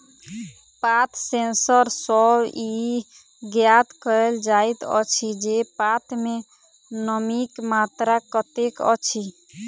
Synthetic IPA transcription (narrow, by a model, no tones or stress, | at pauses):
pat̪ʰsensəɾsəbi | ɡjat̪kəeld͡ʒajt̪ə̰t͡ʃʰid͡ʒepat̪ʰme | nəmikmat̪ɾakət̪ekə̰t͡ʃʰi